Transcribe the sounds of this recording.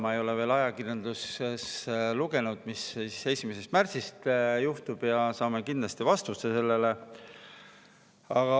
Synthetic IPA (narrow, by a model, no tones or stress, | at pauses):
mɑejo̞leve̞ːlɑjɑkirjɑnd̪lusesluɡ̥e̞nud̪̥misse̞sʲimese̞st̪mærtsist̪juht̪ub̥jɑsɑːme̞kind̪lɑst̪ivɑst̪usese̞lːele | ɑɡ̥ɑ